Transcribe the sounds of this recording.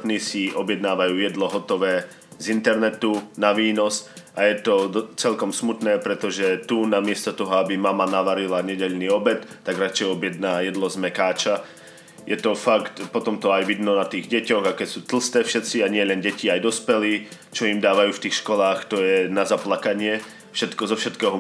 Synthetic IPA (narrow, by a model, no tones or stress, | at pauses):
t̪nisiɔbjɛd̪naːʋajuːjɛd̪lɔɦɔt̪ɔʋɛː | zint̪ɛɾnɛt̪unaʋiːnɔsajɛt̪ɔt͡sɛlkɔmsmut̪nɛːpɾɛt̪ɔʒɛt̪unamɪɛst̪ɔt̪ɔɦɔabimamanaʋaɾilaɲɛɟɛʎniːɔbɛt̪ːaɡɾat͡ʃɛjɔbjɛd̪naːjɛd̪lɔzmɛkaːt͡ʃa | jʔɛt̪ɔfakt̪pɔt̪ɔmt̪ɔajʋid̪nɔnat̪iːɣɟɛcɔɣakɛcsuːt̪l̩st̪ɛːfʃɛt̪t͡siaɲɪɛlɛnɟɛciajd̪ɔspɛliː | t͡ʃɔimd̪aːʋajuːft̪iːxʃkɔlaːxt̪ɔjɛnazaplakaɲɪɛ | fʃɛt̪kɔzɔfʃɛt̪kɛːɦɔ